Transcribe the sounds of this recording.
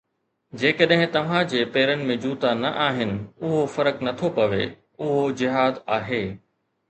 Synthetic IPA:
d͡ʑeːkɐɗɦɪ̃t̪ɐʋ̤ãd͡ʑeːpeːɾənɪ̆mẽd͡ʑuːt̪anɐʔaːɦɪnɪ̆ʊɦofɐɾəknɐt̪ʰopɐʋḛ | ʊɦod͡ʑɪɦaːd̪aːɦeː

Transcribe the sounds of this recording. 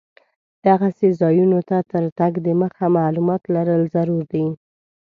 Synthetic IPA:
d̪̥aɣasezɑjunot̪at̪əɾt̪aɡd̪əməxamaːlumɑt̪laɾəlzaɾuɾd̪i

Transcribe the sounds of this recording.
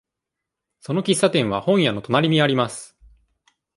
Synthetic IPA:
so̞no̞kʲisːat̪ẽɰ̃β̞ahõ̞ɰ̃jano̞t̪onaɾʲimʲiaɾʲimasɨ̥

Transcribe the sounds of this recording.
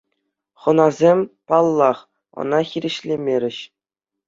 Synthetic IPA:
χɤ̆nɑzʲemʲpɑlˠːɑχ | ɤ̰̆nɑxʲiɾʲɘ̆ɕlʲemʲeɾʲɘ̆ɕ

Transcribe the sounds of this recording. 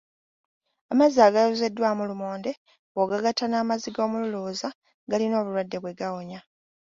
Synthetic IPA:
amaziaːɡajoze̞dːwamulumoːnde̞ | oɡaɡatanaːmaziɡo̞ːmululuːza | ɡalino̞ːβulwadːe̞βwe̞ɡawo̞ɲa

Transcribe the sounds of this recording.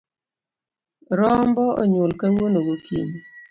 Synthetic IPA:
ɾɔm̩bɔɔ̰ɲwolkɛwonoɡokʰḭm

